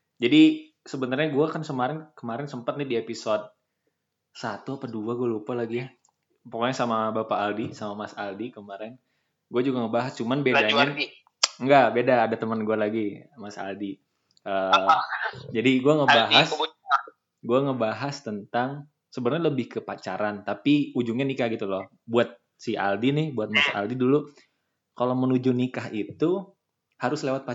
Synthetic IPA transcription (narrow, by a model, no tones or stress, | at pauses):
d͡ʒadi | səbənt̪arɲaɡuakansəmaɾɪnkəmaɾɪnsəmpət̪̚nɪdiepisɔd̚ | sat̪uapaduaɡualupalaɡi | pokoɲasamabapaːldisamamasaldikəmaɾɪn | ɡuad͡ʒuɡaŋəbaɦast͡ʃumanbedaɪn | ŋɡabedaːdat̪əmənɡualaɡimasa̰ldi | ə | d͡ʒadiɡuaŋəbbaɦas | ɡuaŋəbaɦast̪ənt̪aŋ | səbərɲaləbɪhkəpat͡ʃaɾant̪apiud͡ʒuŋɲanikahɡit̪ulɔh | buat̪̚ | sia̰ldinɪhbuat̪̚masa̰ldidulu | kalomənud͡ʒunikaɦit̪u | haɾʊslewat̪̚pa